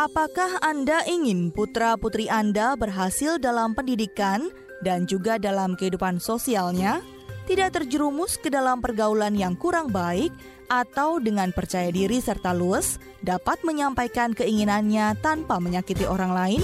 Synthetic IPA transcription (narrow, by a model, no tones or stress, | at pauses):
ʔapakahandaʔiŋɪnput̪ɾaput̪ɾiʔandabərɦasɪldalampəndidikan | dand͡ʒuɡadalamkəɦidupansosialɲa | t̪idaʔ̚t̪ərd͡ʒəɾumʊskədalampərɡaulanjaŋkuɾaŋbaɪk̚ | ʔat̪awdəŋanpərt͡ʃajadiɾisərt̪aluəs | dapat̪̚məɲampajkankəiŋinanɲat̪anpaməɲakit̪iʔoɾaŋlaɪn